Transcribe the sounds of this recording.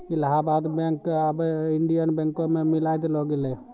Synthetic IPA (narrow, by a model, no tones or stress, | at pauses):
ilɦabad̪bẽŋkabɪɳɖijənbɛ̃ŋkõmẽmilajd̪loɡele